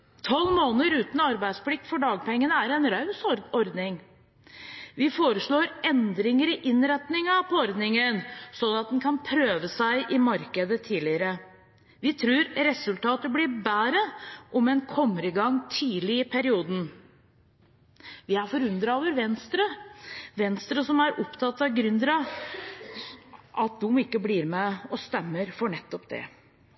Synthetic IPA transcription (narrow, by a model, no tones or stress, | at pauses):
t̪ʰɔlmoːnəɾʉːt̪n̩ɑɾbæɪspʰlɪk̚t̪fɔɖɑːɡ̚pʰɔɛŋːənəæɾɛnɾɑʉsɔɾd̪nɪŋ | ʋɪfoːɾəʂɭoːɾɛnd̪ɾɪŋəɾɪʔɪnɾɛt̪nɪŋəpʰɔɔɾd̪nɪŋənsɔnːɑt̪̚d̪ɛnkʰɑnpʰɾøːʋəsæɪʔɪmɑɾkəd̪ət̪ʰiːlɪəɾə | ʋɪt̪ʰɾʉːɾɾɛsʉlt̪ɑːt̪əblɪbæːɾəʔɔmɛnkʰɔmːəɾɪɡɑŋːt̪ʰiːlɪɪpʰæɾɪuːd̪n̩ | ʋɪæɾfɔɾʉnd̪ɾɑoːʋəɾʋɛnst̪ɾəʋɛnst̪ɾəsɔmæɾʔɔpt̪ʰɑt̪ːɑʋɡɾʏnd̪ɾɑ | ʔɑt̪̚d̪ʊmɪkːəbliːɾmɛɔst̪ɛmːəɾfɔɳɛt̪ːɔpd̪ɛ̰